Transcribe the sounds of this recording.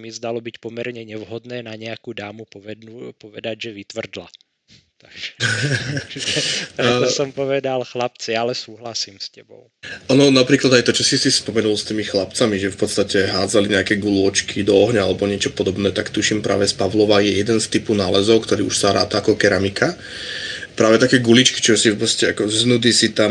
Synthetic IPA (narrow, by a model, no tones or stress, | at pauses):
mizd̪alɔbicpɔmɛɾɲɛɲɛʋɦɔd̪nɛːnaɲɛakud̪aːmupɔɛd̪upɔʋɛd̪aɟʒɛʋit̪ʋr̩d̪la̰ | t̪aɡʒɛ | aɔsɔmpɔʋɛd̪alxlap̚t͡sialɛsuːɦlasiːmscɛbɔ̰ʊʔɔnɔnapɾiːklad̪ajt̪ɔt͡ʃɔsisispɔmɛnulˠst̪iːmixlapt͡samiʒɛfpɔt̪st̪acɛɦaːd͡zaliɲɛakɛːɡulʊɔt͡ʃkʰid̪ɔɔɦɲaalɛbɔɲɪɛt͡ʃɔpɔd̪ɔbnɛːt̪akt̪uʃimpɾʔa̰ːʋɛspaʋlɔʋajɛjɛd̪ɛnst̪ipunaːlɛzɔʊkt̪ɔɾiːuʃsaɾa̰ːt̪aakɔkɛɾamika | pɾaːʋɛt̪akɛːɡulit͡ʃki̥t͡ʃɔsipɔscɛakɔznud̪isit̪a